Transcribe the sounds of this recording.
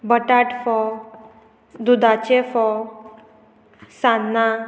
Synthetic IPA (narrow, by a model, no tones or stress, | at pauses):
bəʈaʈfɔ | d̪ud̪at͡ɕefɔ | sanːa